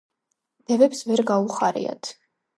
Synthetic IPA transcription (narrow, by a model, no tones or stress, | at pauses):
d̪̥ɛvɛpsvɛɾɡauχaɾḭa̰t̪ʰ